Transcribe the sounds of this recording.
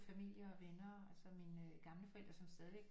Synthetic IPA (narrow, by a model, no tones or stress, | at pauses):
fæmil̰jɐɒʋenɐælsɒminɡ̥ɑ̈mləfɒ̽el̰d̥ʁɐsɒ̽msd̥ɛːð̞ˠiʋeɡ̥